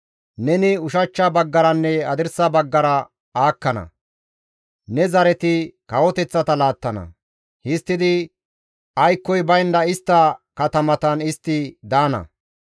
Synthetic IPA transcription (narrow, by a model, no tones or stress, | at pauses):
nɛnɪʊʃɐt͡ʃːɐbɐɡːɐɾɐnːɛɐd̪ɪɾsɐbɐɡːɐɾɐ | aːkːɐnɐ̰ | nɛzɐɾɛt̪ɪkɐwɔt̪ɛt͡sːɐt̪ɐlaːt̪ːɐnɐ̰ | hɪst̪ːɪd̪ɪ | ɐjkːɔjbɐjnd̪ɐɪst̪ːɐkɐt̪ɐmɐt̪ɐnɪst̪ːɪd̪aːnɐ̰